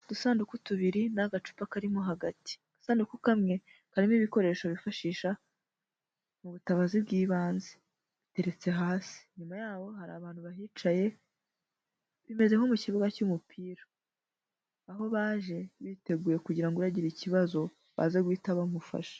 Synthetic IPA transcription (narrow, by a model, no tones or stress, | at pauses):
d̥usaːndukutuβiɾinaɡat͡ʃu̥pakaɾimo̞ɦaɡati̥ɡ̥asaːndukukamŋe̞ | kaɾimiβiko̞ɾe̞ːʃoβifaʃiːʃa | muβutaβazibɡiːβaːnze | βite̞ɾe̞t͡se̞ɦaːsi̥ɲumajaːβo̞ɦaɾa̰ːβaːnhuβaɦiːt͡ʃaje̞ | βime̞ze̞ho̞muciβuɡacumupʰiːɾa | aɦo̞βaːʒe̞βiːte̞ɡuːjekuɟiɾaŋɡoβaɟiɾiciβazo̞ | βa̰zeɡwiːtaβamufa̰ʃḁ